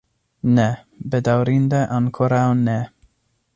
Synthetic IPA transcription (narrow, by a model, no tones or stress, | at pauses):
nɛ | bed̪awɾind̪eʔaŋkʰoɾawnɛ